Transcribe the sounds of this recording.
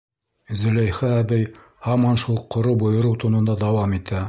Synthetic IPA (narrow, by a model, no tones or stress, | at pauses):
zɘ̆læjχæːbɘj | hɑmɑnʃulˠqʰːŏɾɤwbŏjɤ̆ɾɤwt̪ŏnɤ̆nd̪ɑd̪ɑwɑmit̪æ